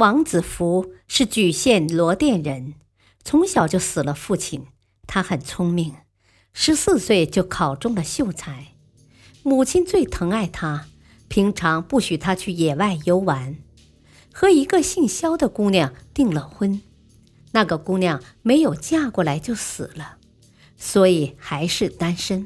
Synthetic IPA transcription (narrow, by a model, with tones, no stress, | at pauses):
wɑ˧˥ŋt͡sɹ̩˨˩fu˧˥ʂɻ̩˥˩t͡ɕy˨˩ɕjɛ˥˩nlwɔ˧˥t̪jɛ˥˩nɻə˧˥n | t͡sʰʊ˧˥ŋɕjɑ˨˩ʊt͡ɕjo˥˩ʊsɹ̩˨˩lə˦fu˥˩t͡ɕʰi˨˩n | t̪ʰa˥xə˨˩nt͡sʰʊ˥ŋmi˥˩ŋ | ʂɻ̩˧˥sɹ̩˥˧swe˥˧ɪt͡ɕjo˥˩ʊkʰɑ˨˩ʊʈ͡ʂʊ˥ŋd̪ə˨ɕjo˥˩ʊt͡sʰa˧˥ɪ | mu˨˩t͡ɕʰi˥nt͡swe˥˩ɪt̪ʰɤ˧˥ŋa˥˩ɪt̪ʰa˥ | pʰi˧˥ŋʈ͡ʂʰɑ˧˥ŋpu˥˩ɕy˨˩t̪ʰa˥t͡ɕʰy˥˩jɛ˨˩wa˥˩ɪjo˧˥ʊwa˧˥n | xɤ˧˥i˧˥ɡə˧ɕi˥˩ŋɕjɑ˥ʊd̪ə˨ku˥ŋljɑ˥˩ŋt̪i˥˩ŋlə˨˩xwə˥n | na˥˩ɡə˩ku˥ljɑ˥˩ŋ | me˧˥ɪjo˨˩ʊt͡ɕja˥kwɔ˥˩la˧˥ɪt͡ɕjo˥˩ʊsɹ̩˨˩lə˦ | swɔ˧˥i˨˩xa˧˥ɪʂɻ̩˥˩t̪a˥nʂə˥n